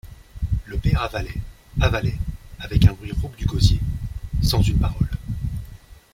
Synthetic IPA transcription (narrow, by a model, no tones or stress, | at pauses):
ləpɛʁavalɛ | avalɛavɛkɛ̃bʁɥiʁɔɡd̪yɡɔzjesɑ̃zynpaʁɔl